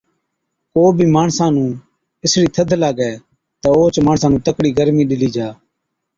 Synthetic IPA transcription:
koːbʱiːmaːɳsãːnũː | ɪsɽiːt̪ʰəd̪ʱlaːɡɛː | t̪aːoːt͡ʃmaːɳsãːnũːt̪əkɽiːɡəɾmiːɗɪliːd͡ʒaː

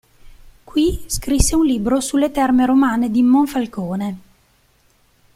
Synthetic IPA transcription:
kwiskɾisːeunlibɾosulːet̪ɛrmeɾomaːned̪imoɱfalkoːne

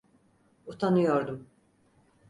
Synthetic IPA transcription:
ut̪ʰanɯjoɾd̪um

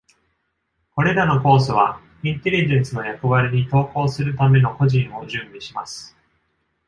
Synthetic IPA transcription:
ko̞ɾe̞ɾano̞ko̞ːs̬oβa | ĩnt̪e̞ɾʲiʑẽ̞ɰ̃sɨno̞jakoβaɾʲiɲ̟it̪o̞ːko̞ːsɨɾɯ̟t̪ame̞no̞ko̞ʑĩɰ̃o̞ʑɨ̃mbʲiɕimasɨ̥

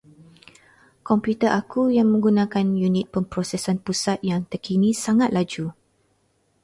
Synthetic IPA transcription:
kɔmpjut̪əʔakujaŋmə̃ŋɡunãkanjunit̪̚pəmpɾɔsɛsanpusat̪̚jaŋt̪əkinĩsaŋat̪̚lad͡ʒu

